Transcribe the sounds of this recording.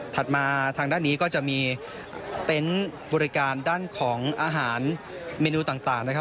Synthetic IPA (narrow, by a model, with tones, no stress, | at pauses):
t̪ʰa˨˩t̪̚maː˧t̪ʰaː˧ŋdaː˥˩nːiː˦˥kɔː˥˩t͡ɕa˨˩ʔmiː˧ | t̪e˦˥nbɔː˧ɾi˦˥kaː˧ndaː˥˩nkʰɔː˩˦ŋʔaː˧ɦaː˩˦n | meː˧nuː˧t̪aː˨˩ŋt̪aː˨˩ŋna˦˥kʰa˦˥